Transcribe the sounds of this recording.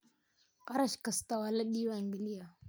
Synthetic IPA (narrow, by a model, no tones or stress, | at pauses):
aɾaʃkast̪awalaɗiwaŋɡilija